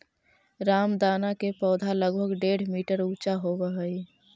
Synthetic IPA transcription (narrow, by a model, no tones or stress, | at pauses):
ɾaːmd̪aːnakepɔːd̪ʱaləɡbʱəɡɖeɽ̤miːʈəɾut͡ʃaɦobəɦəi